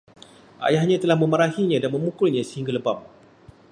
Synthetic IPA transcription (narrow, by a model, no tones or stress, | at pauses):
ʔa̰jahɲãt̪əlahmə̃məɾahiɲãdanmə̃mukʊlɲãsəhiŋɡaləbam